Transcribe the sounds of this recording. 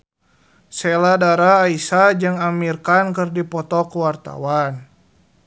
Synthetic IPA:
sɛladaɾaːisad͡ʒɨŋamirkankərdipɔt̪ɔkuwart̪a̰wan

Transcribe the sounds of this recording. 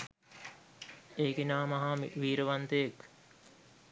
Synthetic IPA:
eːkinaːmɐɦamiʋiːɾəʋant̪ejek

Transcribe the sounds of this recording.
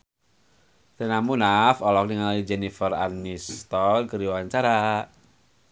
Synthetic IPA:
t̪ənamunafɔlɔk̚niŋalid͡ʒɛnifəranist̪ɔlɡəɾiwaɲt͡ʃaɾa

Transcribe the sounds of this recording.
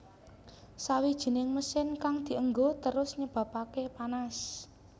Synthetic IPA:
sawid̥ʒ̥i̤nɪŋməsɪnkaŋd̪̥i̤əŋɡot̪əɾʊsɲəb̥ä̤pakepanas

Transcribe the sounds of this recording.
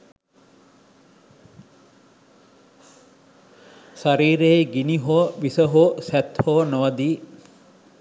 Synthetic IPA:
saɾiːɾeɡiniɦoːʋisəɦoːsæt̪hoːnoʋɐd̪iː

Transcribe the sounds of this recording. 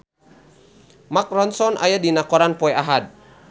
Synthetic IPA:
mak̚rɔnsɔnʔa̰jadinakɔɾanpɔɛaɦad̚

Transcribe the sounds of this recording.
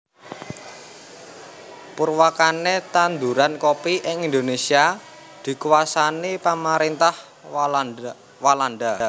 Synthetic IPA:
purwakanet̪and̪uɾankopiʔɪŋind̪onesia | d̪̥i̤kuwasanipamaɾint̪ah | walanɖ̪a

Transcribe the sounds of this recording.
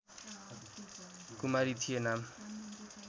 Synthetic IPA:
kumaɾit̪ʰijenam

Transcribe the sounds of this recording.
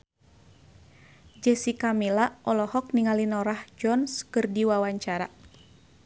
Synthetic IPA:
d͡ʒɛsikamilaʔɔlɔhɔk̚niŋalinɔɾahd͡ʒɔnskɨrdiwawaɲt͡ʃaɾa̰

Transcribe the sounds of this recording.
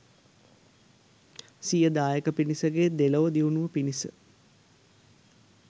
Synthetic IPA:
sijəd̪aːjekəpinisəɡeːd̪eləʋəd̪iʋunuʋəpinisə̰

